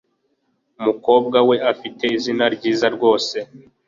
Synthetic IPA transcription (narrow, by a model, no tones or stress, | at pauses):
umuko̞ːb̚ɡawe̞afite̞izinaɾɟiːzaɾɡo̞ːse̞